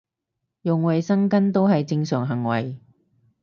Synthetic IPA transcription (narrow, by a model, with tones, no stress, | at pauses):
jʊ˨ŋwɐ˨jsɐ˥ŋkɐ˥nt̪o˥wɦɐ˨jt͡sɪ˧ŋsœː˨˩ŋɦɐ˨˩ŋwɐ˨˩j